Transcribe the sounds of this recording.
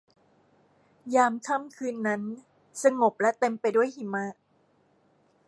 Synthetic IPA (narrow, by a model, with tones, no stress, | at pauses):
jaː˧mt̪ʰa˥˩mkʰɯː˧nːa˦˥n | sa˧ŋo˨˩p̚lɛ˦˥t̪e˧mpa˧jdu˥˩əjhi˨˩ma˦˥